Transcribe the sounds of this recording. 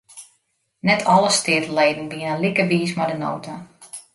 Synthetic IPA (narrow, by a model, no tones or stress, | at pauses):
nɛtʰɔlˠəstɪːtəlejdənʋiənənlikəʋiːsmajdəno̰ːtʰa